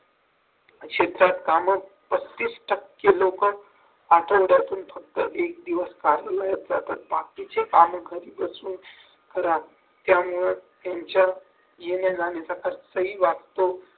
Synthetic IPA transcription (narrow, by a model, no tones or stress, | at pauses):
kʰet̪ɾat̪kamə | pəst̪isʈəkːelokən | aʈʰəʋɽat̪uːnfʰək̚t̪əʔek̚d̪iʋəskaɾəlajət̪̚d͡zat̪at̪̚bakit͡ɕekaməɡʱəɾibəsuːn | kəɾa | t̪jamuɭət̪ãnt͡ɕa | jened͡zanesakaɾsəɦiʋast̪o